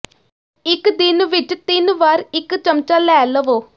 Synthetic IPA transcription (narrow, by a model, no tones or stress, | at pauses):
ɪkd̪ɪnʋɪt͡ʃt̪ɪnʋaːɾɪkt͡ʃəmt͡ʃaːlɛːləʋoː